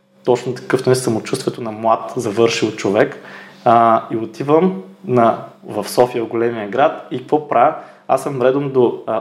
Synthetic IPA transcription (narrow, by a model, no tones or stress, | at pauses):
t̪ɔt͡ʃnʊt̪ɐ̥kɤfnɛsɐmʊt͡ʃust̪vɛt̪onɐmlˠat̪zɐvɤɾʃilˠt͡ʃovɛk | iot̪ʰivəmnɐvɐfsɔfiəɡolɛmijəɡɾat̪ikɐkvɔpɾa | a̰sːɐmɾɛd̪omd̪o